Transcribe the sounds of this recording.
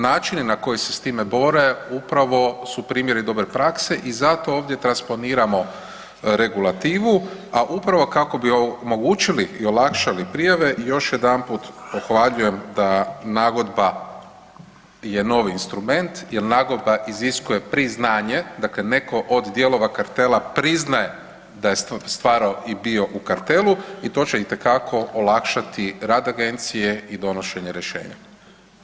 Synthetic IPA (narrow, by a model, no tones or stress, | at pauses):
naːt͡ʃininako̞jisest̪iːme̞bo̞ɾe̞upɾaʋo̞supɾiːmje̞ɾid̪o̞bɾe̞pɾakse̞ʔizat̪o̞oːʋd̪je̞t̪ɾanspo̞niːɾamo̞ | ɾe̞ɡulˠat̪iːʋuaʔupɾaʋo̞kako̞biomo̞ɡuːt͡ʃiliio̞lakʃalipɾijaʋe̞ʔjo̞ʃje̞d̪anpuːt̪oxʋaʎuje̞md̪anaːɡo̞d̪ba | je̞no̞ʋiːnst̪ɾume̞nt̪jelnaːɡo̞d̪baʔiziskuje̞pɾiznaːɲe̞d̪akle̞ne̞ko̞ʔod̪d̪je̞lo̞ʋakaɾt̪elapɾiznaje̞ | d̪aje̞sst̪ʋaːɾaoʔibio̞ʔukaɾt̪e̞luit̪o̞ːt͡ɕe̞it̪e̞kakʰo̞olakʃat̪iɾaːd̪aɡe̞nt̪sije̞id̪o̞no̞ʃe̞ɲe̞ɾjeʃḛːɲa̰